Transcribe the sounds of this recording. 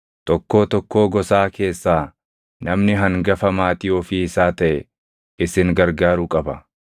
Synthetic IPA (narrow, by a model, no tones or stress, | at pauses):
t̪ʼɔkːo̞ːt̪ɔkːo̞ːɡɔsaːke̞ːsːaː | nɐmnɪɦɐŋɡɐfɐmaːt̪ɪjoːfɪɪsaːt̪ɐʔɛ | ɪsɪŋɡɐɾɡaːɾukʼɐbɐ